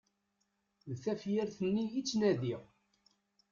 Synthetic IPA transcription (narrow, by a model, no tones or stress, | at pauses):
ðθæfjɪɾθənːiit͡sːnæðiʁ